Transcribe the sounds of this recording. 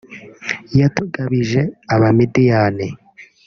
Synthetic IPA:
jatuɡaβiʒeaβamidijane

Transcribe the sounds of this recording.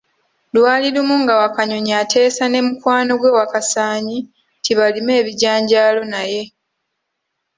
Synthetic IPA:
lwaːlilumuŋɡawakaɲo̞ɲaːtʰe̞ːsane̞mukwaːno̞ɡwe̞wakasaːɲi | tʰiβalime̞ːβiɟaːɲɟaːlo̞naje̞

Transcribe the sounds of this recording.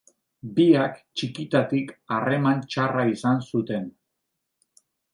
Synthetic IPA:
biakt͡ʃikit̪at̪ikare̞mant͡ʃaraisansut̪e̞n

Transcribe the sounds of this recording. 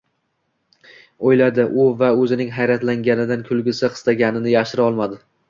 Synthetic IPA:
ojlad̪ɪʔʊvaɵzɪnɪŋɦajɾat̪laŋɡʲanɪd̪ankʰʊlˠɡʲɪsɪqʰɨ̥st̪aɡʲanɪnɪjaʃɪɾɒlˠmad̪ɪ

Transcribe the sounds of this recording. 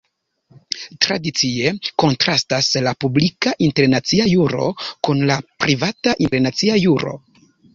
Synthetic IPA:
tɾadit͡sie̞ko̞ntɾastaslapublikaʔinte̞ɾnat͡siajuɾo̞̰kunlapɾivataʔineɾnat͡siajuɾo̞̰

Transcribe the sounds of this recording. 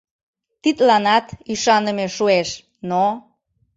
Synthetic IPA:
t̪it̪lɑnɑt̪iʃɑnəmeʃueʃ | no

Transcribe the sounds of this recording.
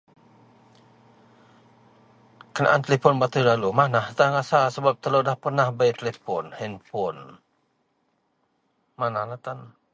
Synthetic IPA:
kəna̰ʔant̪əlɛpɔnbat̪ulalumanaht̪aŋasasəbap̚t̪əlodahpərnahbait̪əlɛpɔnhɛnpʊn | manahlat̪an

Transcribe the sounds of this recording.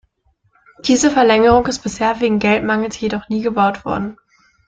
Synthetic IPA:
d̥iːzəfɛɐlɛŋəʁʊŋɪst̚b̥ɪsheːɐveːɡŋ̩ɡɛltmaŋl̩sjedɔχniːɡəbaʊtv̥ɔ̰ɐdn̩

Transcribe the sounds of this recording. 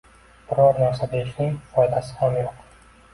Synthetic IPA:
b̥ʊɾɒɾnaɾsad̪aɪʃnɪŋfɒjd̪asɪ̥hamjoq

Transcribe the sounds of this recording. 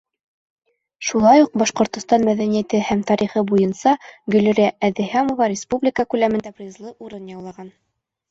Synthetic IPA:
ʃulˠɑjuq̚bɑʃqŏɾt̪ŏst̪ɑnmæðænijæt̪ɘhæmt̪ɑɾiχɤbujɤnsɑɡɵ̆lɘ̆ɾæʔæðɘɦæmovɑɾʲɪspublʲɪkəkʉlæmɘ̆nd̪æbɾɨzlˠɤʔuɾɤnjɑwlˠɑʁɑn

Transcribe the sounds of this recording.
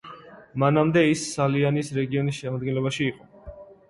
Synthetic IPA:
manamd̪ɛisːalianisɾɛɡiɔnisʃɛmad̪̚ɡɛnlɛbaʃiːqʼɔ

